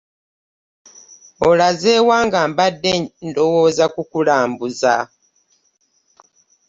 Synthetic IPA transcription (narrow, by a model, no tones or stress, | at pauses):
o̞lazeːwaːŋɡambadːendo̞wo̞ːzakukulaːmbuza